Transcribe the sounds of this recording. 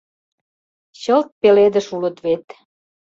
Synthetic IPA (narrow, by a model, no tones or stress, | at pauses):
ɕəlt̪̚peled̪əʃulət̪βet̪